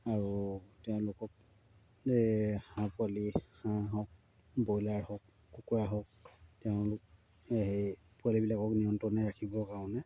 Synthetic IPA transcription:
aɹutɛʊ̃lʊkɔk̚ | hãpualihãɦɔk̚ | bojlaɹhɔkː | ukuɹaɦɔk̚tɛʊ̃lʊk̚ | ɦe | pualibilakɔkniɔntɔnɛɹakʰibɔkaɹɔ̃nɛ

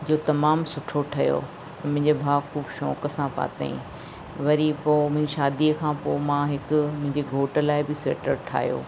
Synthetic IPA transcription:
d͡ʑoːt̪ɐmaːmsʊʈʰoʈʰɐjo̰ː | mʊ̃ɦɪ̃ɲd͡ʑebʱaːkʰuːbʃɔːkəsãpa̰ːt̪a̰ḭ̃ | ʋɐɾipoːmʊ̃ɦɪ̃ɲd͡ʑeʃaːd̪iəkʰãːpoːmãɦɪkʊmʊ̃ɦɪ̃ɲd͡ʑeɡʱoːʈə̆laːɪbɪsḛːʈəɾʈʰa̰ːɦjo̰ː

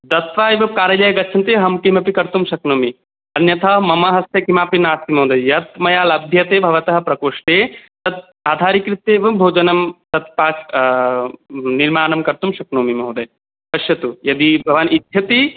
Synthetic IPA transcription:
d̪ɐt̪ʋaːjiʋɐkaːɾɐlɐjɐɡɐt͡ʃʰɐnt̪eːɦɐmkimɐpikɐɾt̪umʃɐknoːmi | ɐnjɐt̪ʰɐmɐmɐɦɐst̪jɐkimaːpinaːst̪imɐ̃ːd̪ɐjjɐt̪̚mɐjaːlɐb̚d̪ʱjɐt̪eːbʱɐʋɐt̪ɐɦɐ̆pɾɐkoːʂʈeːt̪ɐt̪̚ | aːd̪ʱaːɾikɾit̪ːeːʋɐmbʱoːd͡ʒɐnɐmt̪ɐt̪̚paːk | niɾmaːnɐmkɐɾt̪umʃɐknoːmimɐɦd̪ɐj | pɐʃjɐt̪ujɐd̪ibʱɐʋaːnid̪ʱjɐt̪i

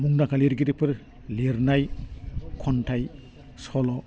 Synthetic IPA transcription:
muŋnakʰaliɾɡiɾepʰɯɾ | leɾnaj | kʰɔntʰaj | sɔlɔ

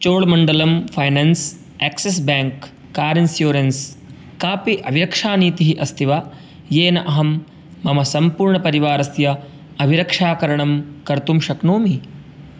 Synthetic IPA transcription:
t͡ʃoːɭmɐɳɖɐlɐmpʰɐjnɐns | eːkses̬baːŋkː | aːɾinsjoːɾɐns | kaːpiʔɐbʱiɾɐkʂaːniːt̪iɦiʔɐst̪ʰiʋa | jeːnɐʔɐɦɐmː | ɐmɐsɐmpuːɾɳɐpɐɾiʋaːɾɐsjɐ | ɐbʱiɾɐkʂaːkɐɾɐɳɐmkɐɾt̪umʃɐknoːmi

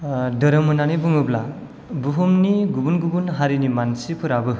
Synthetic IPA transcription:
dəɾɯmɯnanibɯŋɯbla | buɦumniɡubunɡubunɦaɾinimansipʰɯɾabɯ

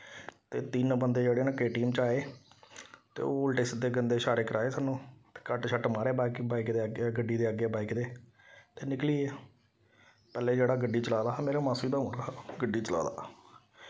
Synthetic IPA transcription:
t̪eːt̪inbənd̪eːd͡ʒeːɽeːnãːkeːʈiːmt͡ʃaːeː | t̪ḛːoːəlʈesd̪eːɡənd̪eːʃaːɾeːkəɾʔaːeːsaːnũːt̪e̥ːkəʈʃʰəʈmaːɾeːbaːɪkbaːɪkd̪eːəɡɡəɖːiːd̪eːəɡeːbaːɪkd̪eː | t̪eːnɪkliːeː | pɛːleːd͡ʒeːɽaːɡəɖːiːt͡ʃəlaːd̪aːmeːɾaːmãːsiːd̪aːʊnaːɡəɖiːt͡ʃəla̰ːd̪a̰ː

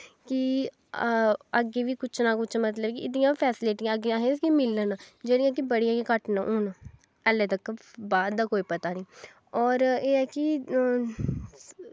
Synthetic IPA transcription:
ki | əɡːeːʋiːkʊt͡ʃʰnaːkʊt͡ʃʰmət̪ləbkiɪd̪ɪjãːpʰɛːsɪleːʈɪəɡeãːɦẽskimɪlːənːd͡ʒeːɽijãːkibəɽiãːɡẽkəʈnaʔoːn | ɛlẽːt̪əkbaːd̪d̪aːkoːiːpət̪aːnĩː | ɔːɾeːɛːkɪ

